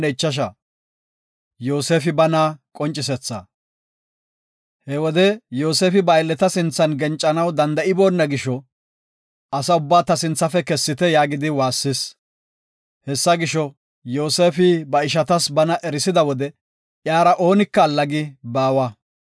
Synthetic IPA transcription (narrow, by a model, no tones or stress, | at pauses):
ɛɪt͡ʃːɐʃ̬ɐ | joːse̞ːfɪbɐnakʼɔnt͡ʃʼɪsɛt͡sːɐ̰ | hɛwɔd̪ɛjo̞ːse̞ːfɪbɐjlːɛt̪ɐsɪnt͡sːɐnɡɛnt͡ʃʼːɐnɐwd̪ɐnd̪ɐɪbo̞ːnːɐɡɪʃɔ | ʔɐsɐʊbːaːt̪ɐsɪnt͡sːɐfɛkɛsːɪt̪ɛjaːɡɪd̪ɪwaːsːɪs | hɛsːɐɡɪʃɔ | joːse̞ːfɪbɐɪʃ̬ɐt̪ɐsbɐnɐʔɛɾɪsɪd̪ɐwɔd̪ɛ | ʔjaːɾɐʔo̞ːnɪkːɐːlːɐɡɪbaːwɐ